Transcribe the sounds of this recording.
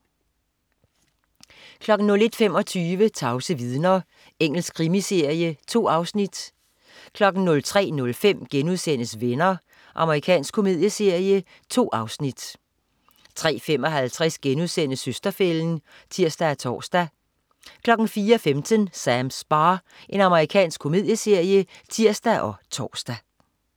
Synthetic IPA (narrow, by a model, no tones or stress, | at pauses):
kʰlɒ̽ɡ̥n̩nɔ̽le̝d̥fem̰ɒ̽t͡sʰyːʋət͡sʰɑ̈ʊsəʋiðˠnɐ | eŋ̰l̩skʰʁimise̝ɐ̰jət͡sʰo̝̰ːɑ̈ʊsnid̥ | kʰlɒ̽ɡ̥n̩nɔ̽lt͡sʰʁɛ̰ːnɔ̽lfem̰ɡ̥enuðˠsen̰əsʋenɐ | ʔɑ̈məʁikʰɛ̰ːnsɡ̥kʰo̝me̝ð̞̰ˠjəse̝ɐ̰jə | t͡sʰo̝̰ːɑ̈ʊsnid̥ | t͡sʰʁɛ̰ːfem̰ɒ̽ɦælt͡sʰʁɛsɡ̥enuðˠsen̰əsøsd̥ɐfeln̩ | t͡sʰiɐ̰sd̥æt͡sʰɒ̰ːsd̥æ | kʰlɒ̽ɡ̥n̩fiːɐɒfemd̥ʰənsæmsb̥ɑ̈ː | ʔe̝nɑ̈məʁikʰɛ̰ːnsɡ̥kʰo̝me̝ðˠjəse̝ɐ̰jət͡sʰiɐ̰sd̥æʔɒ̽t͡sʰɒ̰ːsd̥æ